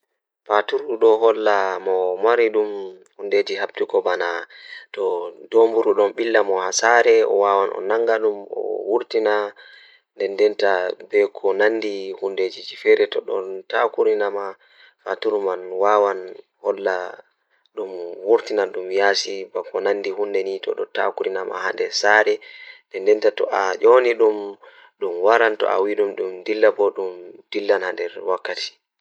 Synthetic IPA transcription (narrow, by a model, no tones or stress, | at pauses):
fatuɾuɗɔɦɔlːamɔmaɾiɗum | hunded͡ʒihabtukɔbanatɔdombuɾuɗɔnɓilːamɔhasaɾɛɔ̰waːwanʔɔ̰naŋɡaɗumɔ̰wuɾtina | ndɛndɛntabɛkʰɔnanːdihunded͡ʒid͡ʒifɛɾɛtɔɗɔ̰ntakuɾinama | fatuɾmanwaːwan | hɔlːa | ɗumwuɾtinaɗumjaːsibakɔnanːdihundɛnitʰɔ̰ɗɔta̰kuɾinama̰ha̰ndɛsaɾɛndɛndɛntatɔ̰ʔaʔoniɗum | ɗumwaɾantɔ̰ʔa̰wiɗumɗumdilːabɔɗumd̥ilːanhandɛɾwakːatʰi̥